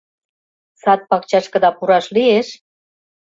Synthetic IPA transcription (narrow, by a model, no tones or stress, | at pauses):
sɑt̪̚pɑkt͡ɕɑʃkə̆d̪ɑpuɾɑʃlieʃ